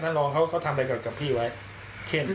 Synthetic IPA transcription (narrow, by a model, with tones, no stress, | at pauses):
t̪ʰaː˥˩nlɔː˧ŋkʰa˦˥wkʰa˦˥wt̪ʰa˧mɾa˧jkɔː˨˩ka˨˩pʰiː˥˩wa˦˥j | kʰe˥˩n